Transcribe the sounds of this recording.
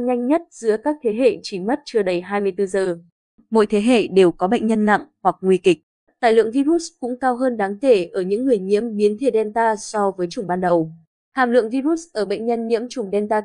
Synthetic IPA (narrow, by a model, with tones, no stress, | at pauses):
ɲa˧jŋ̟ɲə˦˥t̚z̥ɨ̰˧˥əkaː˦˥k̚t̪ʰe˨˦ɦḛ˧˨t͡ɕi˧˩mə˦˥t̚t͡ɕɨ˧˩əɗə˨˩jɦaː˧jmɨ˧əjt̪ɨ˧zəː˨˩ | mo̰˧˥jt̪ʰe˨˦ɦḛ˧˨ɗe˨˩wkɔ˨˦ɓə̰˧˨jŋ̟ɲə˧nla̰˧˨ŋhwa˨˩k̚ŋwi˧kï˨˩k̟̚ | t̪a̰ː˧˨jlɨ̰˧˨əŋvi˧ɾu˦˥t̚kʊ̰˧˥ŋ͡mkaː˧wɦəː˧nɗaː˨˦ŋke˧˩ʔəː˧˩ɲɨ̰˧˥ŋːɨ˨˩əjɲḭ˧˥əmɓi˨˦ənt̪ʰe˧˩ɗɛ˧nt̪aː˧sɔ˧vəː˨˦jt͡ɕʊ˨˧˩ŋ͡mɓaː˧nɗə˨˩w | h̪ʰa̰ː˧˨˩mlɨ̰˧˨əŋvi˧zu˦˥t̚ʔəː˧˩ɓə̰˧˨jŋ̟ɲə˧nɲḭ˧˥əmt͡ɕʊ˨˧˩ŋ͡mɗɛ˧nt̪aː˧